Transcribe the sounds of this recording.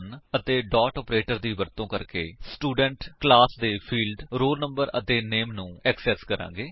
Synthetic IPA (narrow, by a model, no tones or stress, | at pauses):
nət̪eːɖaːʈɔːpɾeːʈəɾd̪iːʋəɾt̪õːkəɾkḛːsʈuːɖəɳʈklaːsd̪eːpʰiːlɖɾoːlnə̃mbəɾə̰t̪eːneːmnũːɛksɛskəɾã̰ːɡeː